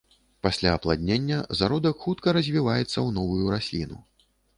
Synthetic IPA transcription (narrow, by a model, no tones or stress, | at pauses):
pasʲlʲaːplˠad̪ʲnʲenʲːɐzaɾɔd̪ɐkxut̪kɐɾɐzʲvʲivajɛt̪sːɐwnɔvujuɾasʲlʲinṵ